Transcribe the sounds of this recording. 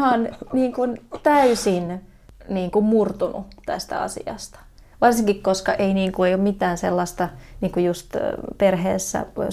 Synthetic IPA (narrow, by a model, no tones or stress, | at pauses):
hɑnniːŋkunt̪æysin | niːŋkummurt̪unṵt̪æ̰st̪æ̰ɑ̰sḭɑ̰st̪ɑ̥ | ʋɑrsiŋkikkoskɑʔeiniːŋkueijommit̪æːnsḛlːɑst̪ɑniːŋkujust̪perhḛːsːæ̰